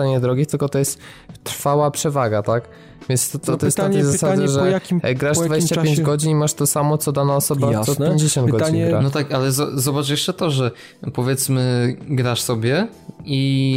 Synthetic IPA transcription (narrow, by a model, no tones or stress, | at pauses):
aɲɛd̪ɾɔɡʲit̪ɘlkɔt̪ɔjɛst̪ː | ɾfawapʂɛvaɡat̪ak | vʲjɛnst̪ɔt̪ɔɔjɛst̪aɲkezasad͡ʑɛʐɛjakʲiɡɾaʐdvad͡ʑeɕt͡ɕajeɲd͡ʑɡɔd͡ʑinimaʂt̪ɔsamɔt̪sɔd̪anaɔsɔbasɔpjeɲd͡ʑeɕɔ̃nd̪ɡɔinɡanɔt̪akalɛzɔzɔbat͡ʂjɛʂt͡ʂɛt̪ɔʐɛ | pɔvʲjɛt̪smɘɡɾaʂsɔbʲjɛi